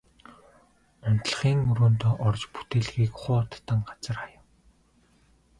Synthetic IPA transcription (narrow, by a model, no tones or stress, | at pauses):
ʊn̥t̪̆ɮ̆χiːŋɵɾoːnt̪ɔːʔɔrt͡ɕpu̥t̪eːɮɣiːkχʊːt̪ʰt̪ə̆ŋɢat͡sə̆rχajə̆w